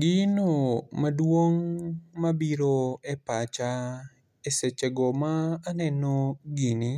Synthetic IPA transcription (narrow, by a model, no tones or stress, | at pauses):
ɡɪnomadwoŋmabiɾoepat͡ʃa | eset͡ʃeɡɔmaːnɛnoɡini